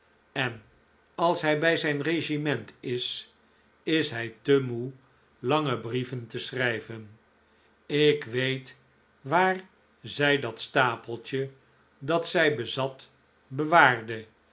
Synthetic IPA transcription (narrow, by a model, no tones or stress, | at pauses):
ɛn | ɑlˠsɦɛjbɛjzɛjnreʒimɛntɪs | ɪsɦɛjtəmu | lɑŋəbrivəntəsrɛjvən | ɪkʋejt | ʋaːr | zɛjdɑtstaːpəlˠtə | dɑtsɛjbəzɑt | bəʋaːɹdə